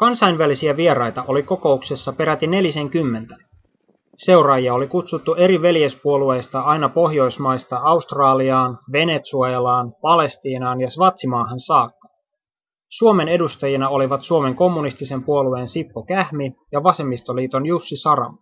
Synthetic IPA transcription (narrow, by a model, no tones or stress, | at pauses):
kɑnsɑjnʋælisiæʋie̞ɾɑjt̪ɑʔo̞liko̞ko̞ukse̞sːɑpe̞ɾæt̪ine̞lise̞ŋkymːe̞nt̪æ̥ | se̞wɾɑːjiɑo̞likut̪sut̪ːue̞ɾiʋe̞ljespuolue̞jst̪ɑɑjnɑpo̞ɦjo̞jsmɑjst̪ɑɑust̪rɑːliɑːnʋe̞ne̞t̪suɑelɑːnpɑle̞st̪iːnɑːnjɑsʋɑt̪simɑːɦɑnsɑːkːɑ̥ | suome̞ne̞dust̪ɑjinɑo̞liʋɑt̪suo̞me̞ŋko̞mːunist̪ise̞mpuo̞lue̞ːnsipːokæhmijɑʋɑse̞mːist̪o̞liːt̪o̞njusːisɑɾɑ̰m